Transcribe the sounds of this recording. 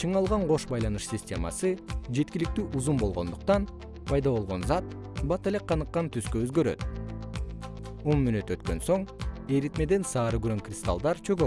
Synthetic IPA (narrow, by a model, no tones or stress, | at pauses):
t͡ʃʰɯɴɑlˠʁɑɴʁo̞ʃbɑjlˠɑnɯʃsʲɪsʲtʲe̞mɑ̰sɯd͡ʒe̞t̪kʲilik̚t̪yːʔuzumbo̞lˠʁo̞̰nd̪uqt̪ɑn | pʰɑjd̪ɑβo̞lˠʁo̞nzɑt̪̚ | bɑt̪ele̞k̚ːɑnɯqːɑnt̪ʰyskøøzɡø̞ɾø̞̰t̪ | o̞nmynyt̪ø̞t̪kø̞nso̞ɴeɾit̪me̞d̪e̞nsɑːɾɯɡyɾøŋkrʲɪst̪a̰lˠd̪ɑɾt͡ʃʰø̞ɡø